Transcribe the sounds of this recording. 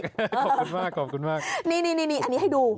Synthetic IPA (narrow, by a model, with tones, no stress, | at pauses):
knmaː˧˩kːɔ˨˩ku˨˧˦nmaː˧˥˩kni˧ni˧ni˧ni˧ʔa˧ni˨˦ha˧˩jɗu˨˧˩